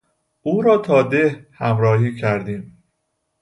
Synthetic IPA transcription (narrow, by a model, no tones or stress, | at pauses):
ʔuːɾɒːt̪ʰɒːd̪ehhæmɾɒːɦiːcʰæɾd̪iːm